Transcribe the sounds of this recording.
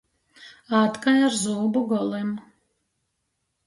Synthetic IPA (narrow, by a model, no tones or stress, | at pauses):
aːt̪kajaɾzuːbuɡɔlˠɛm